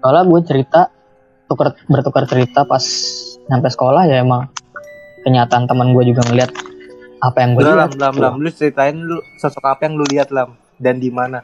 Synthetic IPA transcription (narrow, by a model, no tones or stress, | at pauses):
kalaɡuat͡ʃəɾit̪a | t̪ukərbərt̪ukərt͡ʃəɾit̪apasɲampajsə̥kolahjaemaŋ | kəɲat̪aːnt̪əmənɡuad͡ʒuɡaŋəliɦat̪̚apajaŋɡualaamlamlamlʊt͡ʃəɾit̪aɪnlʊsəsɔkapajaŋluliat̪̚lam | dandimana